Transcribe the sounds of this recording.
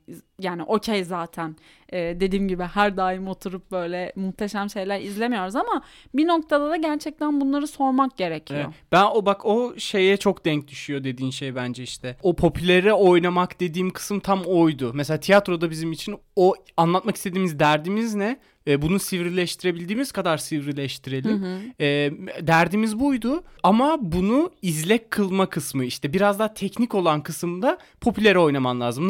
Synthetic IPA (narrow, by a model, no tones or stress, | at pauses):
jaːniʔo̞cʰejzaːt̪ʰæn | ɛːd̪e̞d̪iːmɟibɪhæɾd̪aːjimo̞t̪ʰuɾup̚bø̞jlʲɛmuxt̪ʰe̞ʃæmʃe̞jlʲæɾizlʲe̞mijo̞ɾuzama | bino̞k̚t̪ʰad̪ad̪aɟæɾt͡ʃʰɛc̚t̪ʰænbunlˠaɾɯso̞ɾmak̚ɟe̞ɾecʰijob̥ænobakʰo̞ʃe̞jɛt͡ʃʰo̞kd̪ɛɲc̚d̪yʃyjo̞d̪e̞d̪iːmʃejbænd͡ʒɛiʃt̪ʰɛopʰo̞pʰylʲeɾɛo̞jnamakd̪e̞d̪iːmkʰɯ̥sɯmt̪ʰamo̞jd̪ʊmeselʲaːt̪ʰijat̪ɾo̞d̪abizimit͡ʃʰino | anlˠat̪maki̥st̪e̞d̪iːmizd̪æɾd̪iːmiznɛː | bunusivɾilʲɛʃt̪ʰiɾe̞bilʲd̪iːmiz̥kad̪aɾsivɾilʲɛʃt̪ʰiɾe̞lʲimɛːd̪æɾd̪iːmizbujd̪ʊamabunuizlʲɛckʰːɯlˠmakʰɯsmɯiʃt̪ʰɛbiɾazd̪aːt̪ʰɛcnico̞lˠankʰɯsɯmd̪a | pʰo̞pʰylʲeɾɛo̞jnamanlʲˠaːzɯm